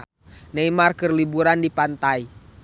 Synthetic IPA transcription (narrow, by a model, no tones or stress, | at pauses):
nɛimarkərlibuɾandipant̪ai